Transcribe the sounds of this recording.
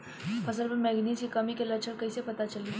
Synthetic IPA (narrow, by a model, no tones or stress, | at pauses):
pʰəsəlpəɾmɛɡnisikəmikelət͡ʃʰəɽkəisepət̪at͡ʃəli